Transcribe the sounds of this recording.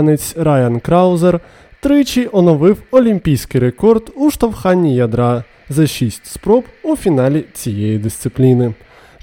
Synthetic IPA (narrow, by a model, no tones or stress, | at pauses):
net͡sʲɾajɐnkɾɑwzer | t̪ɾɪt͡ʃijʔɔnɔʋɪwɔlʲimʲpʲijsʲkɪjɾekɔrd̪uʃt̪ɐwxɑnʲːijɐd̪ɾɑ | zɐʃʲisʲtʲspɾɔpufʲinɑlʲit͡sʲijejid̪ɪst̪sɪplʲinɪ